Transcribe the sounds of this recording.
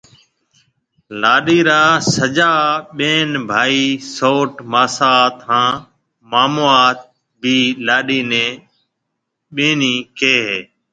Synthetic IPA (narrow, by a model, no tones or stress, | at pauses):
laːɗiːɾaːsəd͡ʒaːɓeːnbʱaːiːsoːʈmaːsaːt̪ɦãː | maːmoːaːt̪̚ | bʱiːlaːɗiːnẽː | ɓeːniːkeːɦeː